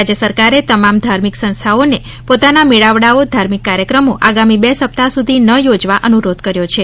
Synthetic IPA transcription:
ad͡ʒəsəɾkaɾet̪əmamd̪ʱaɾmiksə̃nst̪ʰaone | pot̪anamiɭaʋɽaod̪ʱaɾmikːaɾjəkɾəmoʔaɡamibesəp̚t̪asud̪ʱinəjod͡ʒʋaʔənuɾod̪ʱkəɾjot͡ʃʰe

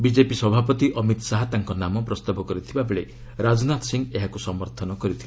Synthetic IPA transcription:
bid͡ʒepisɔbʱapɔt̪iʔɔmit̪saɦat̪aŋkɔnamɔpɾɔst̪abɔkɔɾit̪ʰibabeɭe | ɾad͡ʒnat̪siŋɡeɦakusɔmɔɾt̪ʰɔnɔkɔɾit̪ʰile

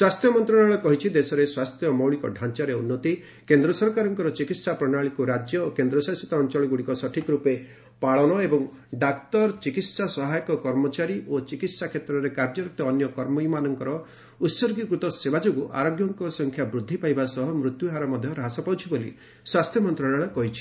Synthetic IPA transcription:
swast̪ʰjɔmɔnt̪ɾɔɽɔɭɔkɔɦit͡ʃʰid̪esɔɾeswast̪ʰjɔmɔwɭikɔɖʱant͡ʃaɾeunːɔt̪i | kend̪ɾɔsɔɾkaɾɔŋkɔɾɔt͡ʃikit̪sapɾɔɽ̃aɭikuɾad͡ʒjɔokend̪ɾɔsasi̥t̪ɔːnt͡ʃɔɭɔɡuɽikɔsɔʈʰik̪ɾupe | paɭɔɽ̃ɔebɔŋ | ɖakt̪ɔɾt͡ʃikit̪sasɔɦajɔkɔkɔɾmɔt͡ʃaɾiʔot͡ʃikit̪sakʰet̪ɾɔɾekaɾd͡ʒɔɾɔk̚t̪ɔːnjɔkɔɾmɔimanɔŋkɔɾɔ | ut̪sɔɾɡikɾut̪ɔsebʱad͡ʒoɡuʔa̰ɾoɡjɔŋkɔsɔŋkʰjabɾud̪ʱːipajbasɔɦɔmɾut̪juɦaɾɔmɔd̪ʱjɔɾaɦasɔpawt͡ʃʰibolḭ | swast̪ʰjɔmɔnt̪ɾɔɽ̃ɔɭ̃ɔkɔɦit͡ʃʰi̥

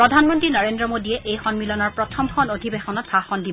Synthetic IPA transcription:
pɹɔdʱanmɔntɹinɔɹendɹɔmodiɛʔejxɔnmilɔnaɹpɹɔtʰɔmxɔnodʱibexɔnɔtsaxɔndi

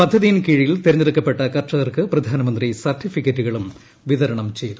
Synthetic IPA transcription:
pɐd̪ʱːɐðijinkiɻijilt̪eɾɐɲɐɾukːɐpːe̞ʈːɐkɐrt͡ɕːɐðɐrkɨprɐd̪ʱaːnɐmɐnd̪risɐrʈːifikʲːɐtːuɣɐɭum | ʋiðɐɾɐɳɐmt͡ɕe̞jt̪u̥

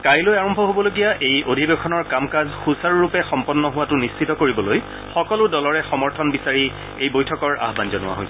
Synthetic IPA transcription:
kajlojaɹɔmbʱɔɦobɔloɡijaʔejodʱibekʰɔnɔɹkamkazxusaɹɹupɛxɔmpɔnːɔɦuwatʊnist͡ʃʰitɔkoɹibɔloj | xɔkɔlʊdɔlɔɹɛxɔmɔɹtʰɔnbisaɹi | ejbojtʰɔkɔɹa̰ɦbanzɔnʊwa̰ɦo̰j

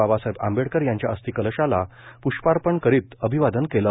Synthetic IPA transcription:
abasaɦeba̰mbeɽkəɾjãɲt͡ɕjaəst̪iːkələɕala | puɕpaɾpəɳkəɾiːt̪əbʱiʋad̪ənkelə

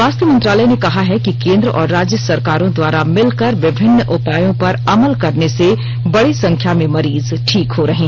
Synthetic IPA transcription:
aːst̪jəmɐ̃nt̪ɾaːlənekɐɦaɦɛkikẽːnd̪ɾəʔɔːɾːaːd͡ʒjəsɐɾkaːɾõd̪waːɾamɪlkəɾʋɪbʱɪnːʔʊpaːjõpɐɾɐməlkɐɾnese | bɐɽisɐ̃ŋkʰjamẽmɐɾiːz | ʈʰiːkɦoɾɐɦẽː

